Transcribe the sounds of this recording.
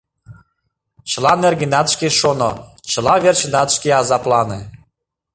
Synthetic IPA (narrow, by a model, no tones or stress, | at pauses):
t͡ɕə̆lɑnerɣinɑt̪ʃkeʃonot͡ɕə̆lɑβert͡ɕənɑt̪ʃkeɑzɑplɑne